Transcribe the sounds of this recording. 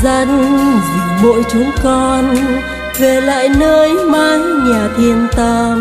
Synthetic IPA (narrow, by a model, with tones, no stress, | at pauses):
za˧n˧zi˨˩ɓo̰˧˨jt͡ɕu˨˦ŋkɔ˧n | ve˨˩la̰ː˧˨jnəː˧jmaː˧jɲaː˨˩t̪ʰi˧ənt̪ə˧